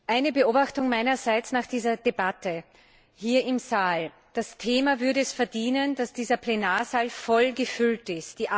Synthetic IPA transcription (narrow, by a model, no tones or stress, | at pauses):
ʔaɪnəbəoːbaxtʊŋmaɪnɐzæɪt͡snaːχd̥iːzɐdebatʰə | hiːɐɪmzaːl | d̥astʰeːmavʏɐɾəɛsfɛɐdiːnəndasd̥iːzɐplenaːɐzaːlfɔlɡəfʏltɪstd̥iːʔa